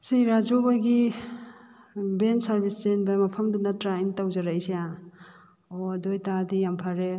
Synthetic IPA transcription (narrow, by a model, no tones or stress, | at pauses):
sejɾazobaɡi | bensaɾbiszenbajmapʰɐmdunatɾajntawzaɾajseja | odojtaɾdijampʰaɾe